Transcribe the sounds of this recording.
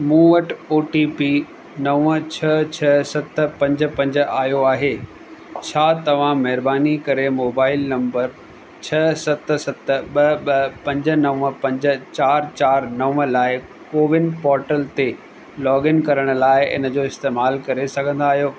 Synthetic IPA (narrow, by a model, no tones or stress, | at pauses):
mũːʋɐʈoːʈipi | nɐʋət͡ɕʰɐt͡ɕʰɐsɐt̪pɐ̃ɲd͡ʑə̆pɐ̃ɲd͡ʑə̆aːjoaːɦeː | t͡ɕʰaːt̪ɐʋ̤ãmɐɦɪɾbaːnikɐɾemoːbaːɪlnɐ̃mbəɾ | t͡ɕʰɐsɐt̪̆sɐt̪ɓɐɓɐpɐ̃ɲd͡ʑə̆nɐʋə̃pɐ̃ɲd͡ʑə̆t͡ɕaːɾt͡ɕaːɾnɐʋəlaːɪ | koːʋɪnpɔːɾʈəlt̪e | lɔːɡɪnkɐɾəɽ̃ʊ̆laːɪɪ̰nə̆d͡ʑoːɪst̪eːmaːlkɐɾesɐɡʱə̃nd̪aːɦijoː